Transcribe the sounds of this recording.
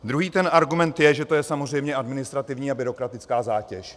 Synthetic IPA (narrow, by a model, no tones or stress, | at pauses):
d̪ɾuɦiːt̪ɛnaɾɡumɛnt̪jɛʒɛt̪o̞jɛsamor̝ɛjmɲɛʔadmɪnɪst̪ɾat̪ɪvɲiːabɪɾo̞kɾat̪ɪt͡skaːzaːcɛʃ